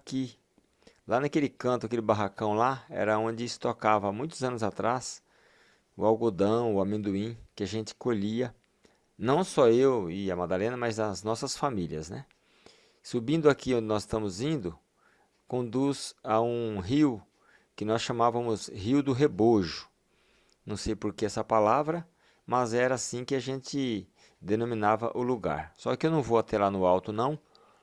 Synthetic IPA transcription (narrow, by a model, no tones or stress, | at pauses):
aki | lanakelɪkɐ̃nt̪ʊakelɪbaɦakɐ̃w̃laɛ̰ɾɐõd͡ʒɪɪst̪okavɐamũj̃t̪ʊzɐ̃nʊzat̪ɾas | ʊawɡod̪ɐ̃w̃ʊamẽnd̪uĩkɪaʒẽt͡ʃɪ̥koʎiɐ | nɐ̃w̃sɔewɪɐmad̪alẽnɐmɐzɐznɔsɐsfamiliɐznɛ | subĩnd̪ʊakiõnd͡ʒɪnɔzɪst̪ɐ̃mʊzĩnd̪ʊ | kõnd̪uzaũɦiw | kɪnɔsʃɐ̃mavɐ̃mʊshiwd̪ʊɦeboʒʊ̥ | nɐ̃w̃sejpoɾkeɛsɐpalavɾɐ | mɐzɛɾɐasĩkɪaʒẽt̪ɪ | d̪enõmĩnavɐ̰ʔʊluɡa̰ɾsɔkɪewnɐ̃w̃voat̪ɛlanʊawt̪ʊnɐ̃w̃